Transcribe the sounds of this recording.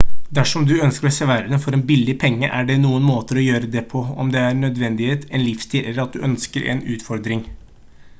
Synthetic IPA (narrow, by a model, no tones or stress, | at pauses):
d̪æʂɔmd̪ʉœnskəɾɔseːʋæːɾəd̪ɛfɔɾɛnbɪlːɪpʰɛŋːə̰ʔæɖɛnuːənmoːt̪əɾɔjøːɾəd̪ɛpʰɔɔ̰md̪ɛæɾɳœd̪ʋɛnd̪ɪheːt̪ɛnlɪfst̪ʰiːlʔɛlːəɾɑt̪̚d̪ʉʔœnskəɾʔɛ̰nʉːt̪fɔɾd̪ɾɪŋ